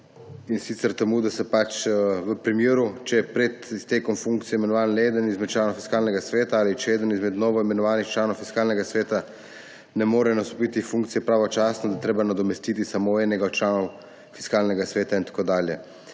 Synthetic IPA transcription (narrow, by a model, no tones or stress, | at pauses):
insit̪sɛɾt̪ɛmuːd̪asɛpat͡ʃʋəpɾimjeːɾut͡ʃɛpɾɛt̪ist̪eːkɔmfuŋkt̪sijɛjimɛnɔʋaːneːd̪ənizmɛt̪̚t͡ʃlaːnɔwfi̥skaːlnɛɡasʋeːt̪aaːlit͡ʃɛeːd̪ənizmɛd̪nɔːʋɔimɛnɔʋaːnixt͡ʃlaːnɔwfiskaːlnɛɡasʋeːt̪a | nɛmoːɾɛnast̪ɔpit̪ifuŋkt̪sijɛpɾaːʋɔt͡ʃaːsnɔd̪at̪ɾeːbanad̪ɔmɛst̪it̪isamoɛːnɛɡaɔt̪̚t͡ʃlaːnɔw | fi̥skaːlnɛɡasʋeːt̪aint̪ḁkoːd̪aːljɛ